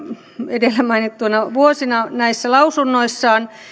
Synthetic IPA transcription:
edelːæmɑinit̪t̪uonɑʋuosinɑnæisːælɑusunːoisːɑːn

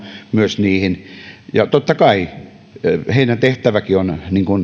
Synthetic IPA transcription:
myøsniːhinjɑt̪ot̪ːɑkɑi | heinæt̪eht̪æʋækionniŋkun

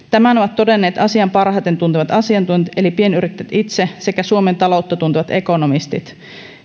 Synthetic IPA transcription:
t̪æmænoʋɑt̪ːo̞de̞nːe̞ːt̪ɑsiɑmpɑrhɑt̪e̞nt̪unt̪iʋɑt̪ɑsiɑnt̪une̞lipie̞nyɾit̪ːet̪it̪se̞se̞kæsuome̞nt̪ɑlo̞wt̪ːɑt̪unt̪iʋɑt̪e̞ko̞nomist̪ḭt̪

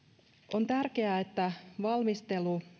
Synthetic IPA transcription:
ʔo̞nt̪ærke̞æːet̪ːæʋɑlmist̪e̞lu

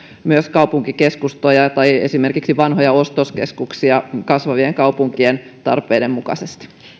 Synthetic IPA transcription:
myøskɑupuŋkikeskust̪ojɑt̪ɑjesime̞rkiksiʋɑnɦojɑost̪oskeskuksiɑkɑsʋɑʋieŋkɑupuŋkient̪ɑ̰rpeidemmukɑ̰sest̪i̥

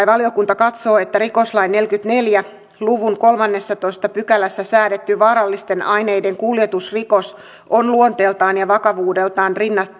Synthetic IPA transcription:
ʋɑlio̞kunt̪ɑkɑt̪so̞ːet̪ːæriko̞slɑjnːe̞lkyt̪ne̞ljæ | luʋuŋko̞lmɑnːe̞sːɑt̪o̞ist̪ɑpykælæsːæsæːɾet̪ːyʋɑːɾɑlːist̪e̞nʔɑjne̞jde̞ŋkuljet̪usriko̞s | onluont̪e̞ːlt̪ɑːnjɑʋɑkɑʋuːde̞lt̪ɑːnrinːɑ

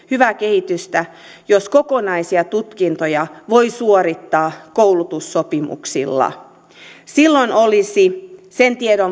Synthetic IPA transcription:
hyʋækehit̪yst̪æ | joskokonɑisiɑt̪ut̪kint̪ojɑʋoisuoɾit̪ːɑːkowlut̪usːopimṵksḭlːɑ̰ | silːonolisisent̪iedo

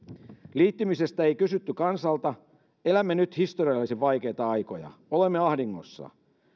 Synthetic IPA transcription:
liːt̪ːimise̞st̪æejkysyt̪ːykɑnsɑlt̪ɑ | e̞læmːenyt̪hist̪oriɑlːisiʋɑjk̟e̞jt̪ɑɑjkojɑ̰olemːeɑhdiŋːo̞sːɑ̰

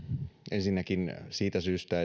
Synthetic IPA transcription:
ensinːækinsiːt̪æsyːst̪æ

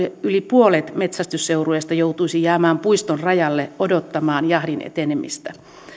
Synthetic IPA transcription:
ylipuolet̪met̪sæst̪ysːeuruest̪ɑjout̪uisijæːmæːmpuist̪onrɑjɑlːeʔodot̪ːɑmɑːnjɑhɾinḛt̪enemḭst̪æ

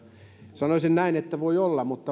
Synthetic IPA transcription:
sɑnosinnæinet̪ːæʋoiolːɑmut̪ːɑ

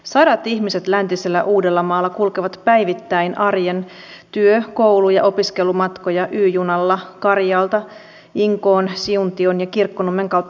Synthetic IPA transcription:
sɑdɑt̪içmise̞t̪lænt̪iselːæʔuːde̞lːɑmɑːlːɑkulkeʋɑt̪pæjʋit̪ːæinʔɑrjen | t̪yøko̞wlujɑʔo̞piske̞lumɑt̪ko̞jɑʔyːjunɑlːɑkɑrjɑːlt̪ɑ | iŋko̞ːnsiunt̪io̞njɑkirkːonumːeŋkɑwt̪ː

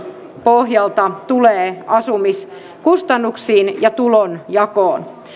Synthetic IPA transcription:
pohjɑlt̪ɑt̪uleːɑsumis | kust̪ɑnːuksiːnjɑt̪ulonjɑkoːn

